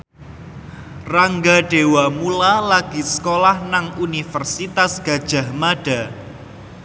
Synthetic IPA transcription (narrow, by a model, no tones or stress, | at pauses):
raŋɡaɖ̥ewamulalaɡ̥isə̥kolahnaŋunifərsit̪asɡ̥a̤d̥ʒ̥a̤hmaɖ̥a̤